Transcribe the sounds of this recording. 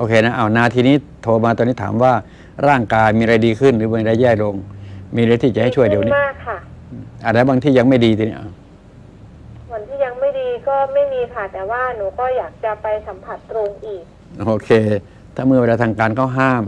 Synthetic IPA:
ʔoː˧kʰeː˧na˦˥ʔa˧˩wnaː˧t̪ʰiː˧niː˦˥˨t̪ʰoː˧maː˧t̪ɔ˧niː˦˥˩t̪ʰːmwaː˥˩ | ɾaː˥˩ŋkaː˧jmiː˧ɾa˧jdiː˧kʰɯ˥˩nɾɯː˨˦˩ba˧˩˧da˧jɛː˥˩jlo˧ŋmiː˧ɾt̪iː˧˥˩t͡ɕa˨ha˥˩˨t͡ɕʰəjdi˧˨˦aː˥˩kʰːa˥˩˧ʔa˨˩lɛː˦˥˩baː˧ŋt̪ʰiː˥˩ja˧ŋma˥˩jdiː˧i˧ni˦˥˨ʔa˧˩ | mʰu˨˩˦nt̪ʰiː˥˩ja˧ŋma˥˩jdiː˧kɔː˥˩ma˥˩jmiː˧pʰa˧˩t̪ɛː˨˩waː˥˩nuː˨˦kɔː˥˩jaː˨˩k̚t͡ɕa˨˩pa˧jsa˨˩˦mpʰa˨˩t̪ːɾo˧ŋʔiː˨˩k̚ | ʔoː˧kʰeː˧ | t̪ʰaː˧˥˩mɯ˥˩˨bla˧t̪ʰaː˧ŋkaː˧nkʰa˥˩wɦaː˥˩m

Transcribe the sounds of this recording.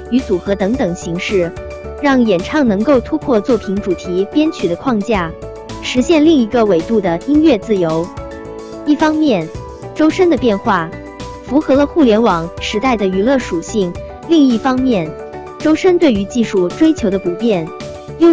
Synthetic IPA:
y˧˥t͡su˨˩xɤ˧˥t̪ɤ˧˥ŋt̪ɤ˨˩ŋɕi˧˥ŋʂɻ̩˥˩ | ɻɑ˥˩ŋjɛ˨˩nʈ͡ʂʰɑ˥˩ŋnɤ˧˥ŋko˥˧ʊt̪ʰu˥kʰwɔ˥˧t͡swɔ˥˩pʰi˧˥ŋʈ͡ʂu˨˩t̪ʰi˧˥pjɛ˥nt͡ɕʰy˨˩ɾə˦kʰwɑ˥˧ŋt͡ɕja˥˩ | ʂɻ̩˧˥ɕjɛ˥˧nli˥˩ŋi˧˥ɡə˧we˨˩ɪt̪u˥˩d̪ə˩i˥nɥɛ˥˧t͡sɹ̩˥˩jo˧˥ʊ | i˥˩fɑ˥ŋmjɛ˥˩n | ʈ͡ʂo˥ʊʂə˥nd̪ə˨pjɛ˥˧nxwa˥˩ | fu˧˥xɤ˧˥lə˧xu˥˩ljɛ˧˥nwɑ˨˩˦ŋʂɻ̩˧˥t̪a˥˩ɪd̪ə˩y˧˥lɤ˥˩ʂu˨˩ɕi˥˩ŋ | li˥˧ŋi˥˩fɑ˥ŋmjɛ˥˩n | ʈ͡ʂo˥ʊʂə˥nt̪we˥˩ɪy˧˥t͡ɕi˥˧ʂu˥˩ʈ͡ʂwe˥ɪt͡ɕʰjo˧˥ʊd̪ə˧pu˨˩pjɛ˥˩n | jo˥˧

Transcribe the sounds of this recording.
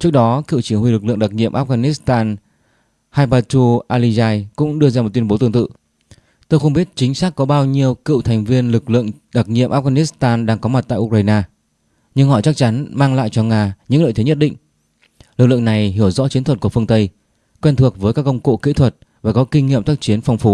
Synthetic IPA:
t͡ɕɨ˦˥ək̚ɗɔ˨˦kḭ˧˨wt͡ɕi˧˩ŋhwi˧lɨ˨˩k̚lɨ̰˧˨ŋɗa˨˩t̚ŋḭ˧˨əmʔaː˦˥ɣaː˧ni˦˥st̪aː˧n | haː˧jpaː˧t͡ɕu˧ʔaː˧li˧zaː˧jkʊ̰˧˥ŋ͡mɗɨ˧əzaː˧m˨˩t̪̚wi˧ə˧ɓo˨˦t̪ɨ˧əŋt̪ɨ̰˧˨ | t̪o˧jxə˧wŋ͡mɓi˦˥ət̚t͡ɕï˨˦ŋ̟saː˦˥kːɔ˨˦ɓaː˧wɲi˧əwkɨ̰˧˨wt̪ʰɛ˨˩ŋ̟vi˧ənlɨ˨˩k̚lɨ̰˧˨əŋɗa˨˩t̚ŋḭ˧˨əmʔ̚ːɣaː˧ni˦˥st̪aː˧nɗaː˧ŋkɔ˨˦ma˨˩t̚t̪a̰ː˧˨ʔk̚aː˧jnaː˧ | ɲɨ˧ŋhɔ˧˩jt͡ɕa˦˥k̚t͡ɕa˨˦nmaː˧ŋla̰ː˧˨jt͡ɕɔ˧ŋaː˧ɲɨ̰˧˥lə̰ː˧˨jt̪e˨˦ɲ˦ə˥t̚ɗḭ̈˧˨ŋ̟ | lɨ˨˩k̚lɨ̰˧˨əŋna˨˩jɦi˧˩əwzɔ̰˧˥t͡ɕi˨˦ənt̪wə˨˩t̚ku˧˩əfɨ˧əŋt̪ə˧j | kwɛ˧nt̪ʰɨ˨˩ək̚vəː˨˦jkaː˦˥k̚ːə˧wŋ͡mko̰˧˨kḭ˧˥t̪ʰwə˨˩t̚ | vaː˨˩kɔ˨˦kï˧ŋ̟ŋḭ˧əmt̪ʰaː˦˥k̚t͡ɕi˨˦ənfa˧wŋ͡mfu˨˦

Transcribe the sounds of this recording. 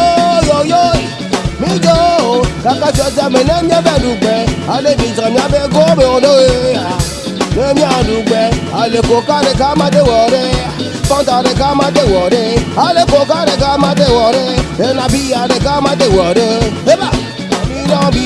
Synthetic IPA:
jo˨jo˦˨ | mi˦d͡ʒo˦o˨ka˨ka˦t͡ʃɔ˨d͡ʒɛ˦˨me˨ne˦mi˦e˦be˦˨lu˨ɡ͡be˨a˨˦le˦˨mi˨za˨mi˦a˦be˦ɡo˦be˨o˨do˦e˦a˨ | ne˦mi˦a˦˨lu˨ɡ͡be˨˧a˨le˨ko˨ka˦ɾe˨ka˦ma˦de˦˨wɔ˨ɾe˦a˨ | bɔ˦ta˨ɾe˨ka˦ma˦de˦˨wɔ˨ɾe˦a˨˦le˦ko˨ka˦˨ɾe˨ka˦ma˦de˦˨wɔ˨ɾe˦e˦na˨bi˦ja˨ɾe˨ka˦ma˦de˦˨wɔ˨ɾe˦e˦ba˦˨ | na˨bi˦nɔ̃˦bi˦

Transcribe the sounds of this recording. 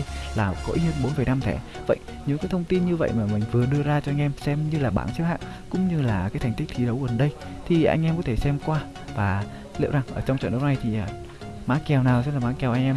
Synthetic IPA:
laː˨˩kɔ˨˦ʔi˨˦hə˧nɓo˨˦nfəː˨˩jna˧mt̪ʰɛ˧˩ | və̰˧˨j | ɲɨ̰˧˥ŋkaː˨˦jt̪ʰə˧wŋ͡mt̪i˧nɲɨ˧və̰˧˨jmaː˨˩mï˨˩ŋ̟vɨ˨˩əɗɨ˧əzaː˧t͡ɕɔ˧ʔjŋ̟ʔɛ˧msɛ˧mɲɨ˧laː˨˩ɓa̰ː˧˩nsi˨˦wha̰ː˧˨w | kʊ̰˧˥ŋ͡mɲɨ˧laː˨˩kaː˨˦jt̪ʰŋ̟t̪i˦˥k̚t̪ʰi˨˦ɗə˨˦wɣə˨˩nɗə˧j | t̪ʰi˨˩ʔa̰˧jŋ̟ʔɛ˧mkɔ˨˦t̪ʰe˧˩sɛ˧mkwaː˧ | vaː˨˩ | lḭ˧˨wza˨˩ŋʔəː˧˩t͡ɕɔ˧wŋ͡mt͡ɕnɗə˨˦˥w̚na˨˩jt̪ʰi˨˩ʔaː˨˩ | maː˨˦˥kɛ˨˩wnaː˨˩wsɛ˧˦˥laː˨˩maː˨˦˥kɛ˧wʔa˧jŋ̟ʔɛ˧m

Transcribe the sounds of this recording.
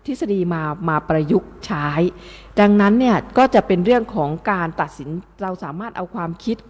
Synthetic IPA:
t̪ʰi˦˥sa˧diː˧maː˧maː˧pɾa˧ju˦˥k̚t͡ɕʰaː˦˥j | da˧ŋna˦˥nːi˥˩ɐkɔː˥˩t͡ɕa˨˩pe˧nɾɯ˥˩əŋkʰɔː˩˦ŋkaː˧nt̪a˨˩t̪̚si˩˦nɾa˧wsaː˩˦maː˥˩t̪̚ʔa˧wkʰwaː˧mkʰi˦˥t̪̚

